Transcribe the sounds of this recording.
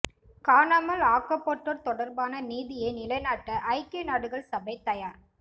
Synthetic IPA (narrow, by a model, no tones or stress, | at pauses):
kaːnaːmɐlaːkːɐpːɔʈːɔɾt̪ɔɽɐɾbaːnɐniːðɪjɐɪnɪlɐɪnaːʈːɐʔɐɪkːenaːɽɯɣɐɭsɐbɐɪt̪ːɐjaːɾ